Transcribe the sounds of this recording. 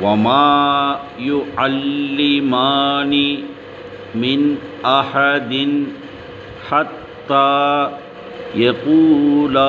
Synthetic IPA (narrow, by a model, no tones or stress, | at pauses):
wamaː | jʊʕalːɪmaːni | mɪnʔaħad̪ɪn | ħat̪ːaː | jaquːla